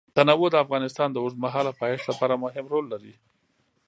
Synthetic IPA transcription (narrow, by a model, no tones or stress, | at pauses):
t̪anawod̪əafɣɑnɪst̪ɑnd̪əozmaɦɑlapɑjɪʂlapɑɾamʊɦɪmɾolːaɾi